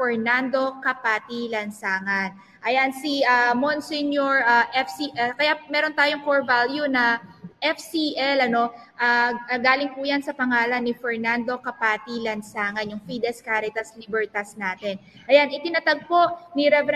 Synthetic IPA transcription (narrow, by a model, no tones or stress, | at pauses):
ɛɹnand̪o̞kɐpaːt̪ilɐnsaːŋɐn | ʔɐjansiʔamonsɛnjoɹʔaʔɛfsiʔɛlkɐjamɛːɾo̞nt̪aːjoŋkoɹvaljunɐʔɛfsiʔɛlɐno̞ | ʔaɡaːlɪŋpujansɐpɐŋaːlɐnːɪfɛɹnand̪o̞kɐpaːt̪ilɐnsaːŋɐnjʊŋfid̪ɛskaɾɪt̪ɐslibɛɹt̪ɐsnaːt̪ɛnʔɐjanʔɪt̪ɪnɐt̪aɡ̚po̞ʔniɾɛv